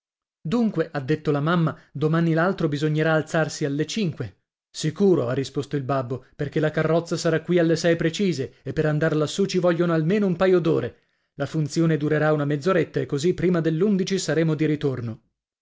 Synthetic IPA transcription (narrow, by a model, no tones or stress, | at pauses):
d̪uŋkweʔad̪ːet̪ːolamamːad̪omanilalt̪ɾobizoɲːeɾaːlt̪sarsialːet͡ʃiŋkwe | sikuːɾoarːispost̪oilbabːoperkelakarːɔt̪sːasaɾakwialːesɛjpɾet͡ʃiːzeepːeɾand̪arlasːut͡ʃivɔʎːonoalmeːnoumpajod̪oːɾe | lafunt̪sjoːned̪uɾeɾaunamed̪zoɾet̪ːaekːozipːɾiːmad̪elːund̪it͡ʃisaɾeːmod̪iɾit̪orno